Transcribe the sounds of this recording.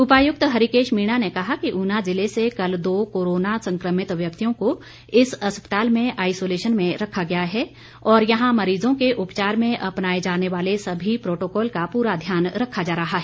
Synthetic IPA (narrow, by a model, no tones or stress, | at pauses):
ʊpaːjʊk̚t̪ɦɐɾikeːʃmiːɽ̃anekɐɦakiʔʊnazɪlesekɐld̪oːkoːɾoːnasɐ̃ŋkɾəmɪt̪ʋjɐk̚t̪ijõko | ɪsɐspə̥t̪aːlmẽʔaːɪsoːleːʃənmẽɾɐkʰːaɡɐjaɦɛː | ɔːɾjɐɦãmɐɾiːzõkeʔʊpt͡ʃaːɾmẽʔɐpnaːed͡ʒaːneʋaːlesɐbʱipɾoːʈoːkɔːlkapuːɾad̪ʱjaːnɾɐkʰːad͡ʒaːɾɐɦaɦɛː